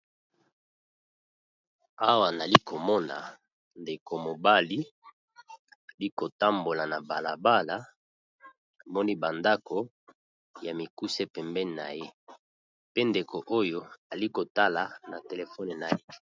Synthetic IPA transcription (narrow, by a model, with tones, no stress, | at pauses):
a˦wa˨na˨li˦ko˨mɔ˦na̰˨ | nde˨ko˨mo˨ba˦li˦ | a˨li˦ko˨ta˦mbo˨la˨na˨ba˨la˨ba˦la˨˦ | a˨mɔ˦ni˦ba˨nda˦ko˨ | ja˨mi˨ku˦se˦pɛ˨mbɛ˦˨na̰˨je˦ | pe˦nde˨kʰo˨ʔo˦jo˦a˨li˦ko˨ta˦la˨na˨te˨le˨fɔ˦n˨na˨je˦